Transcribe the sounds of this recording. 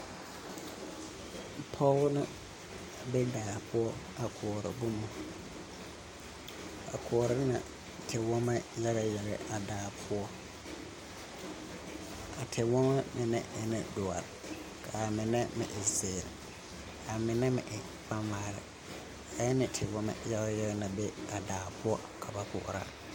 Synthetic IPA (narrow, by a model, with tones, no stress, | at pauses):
pʰɔ˦lnʊ̃˦ | bɛ˦daː˨pʰʊ˦ɔ˦ | a˨kʰɔ˨ɔ˨ɾɪ̰˨bʊ˦mʊ̃˨ | a˨kʰɔ˨ɔ˨ɾɪ˦nã̰˨ | tʰɪ˨wɔ̃˦mã˦jɛ˦ɾa˨jɛ˨ɾɛ˨ʔa˨daː˨pʰʊ˦ɔ˦ | a˨tʰɪ˨wɔ̃˦ma˦mɪ̃˨nɛ̰̃˦ʔɛ˨nɪ̃˨dʊ˨a̰˨ | kʰa˨mɪ̃˨nɛ̃˦mɪ̰̃˨ʔɪ˨sɪː˨ɾ | a˨mɪ̃˨nɛ̃˦mɪ̰̃˨ʔɪ˨ | fã˦maː˦ɾɪ̰˨ | a˨jɛ˦nɪ̃˨tʰɪ˨wɔ̃˦mã̰˦˨ja˦ɡa˦jɛ˦ɡɛ˦nã˨bɛ˦a˨daː˨pʰʊ˦ɔ˦ | kʰa˨ba˨kʰʊ̰˨ʔɾa̰˦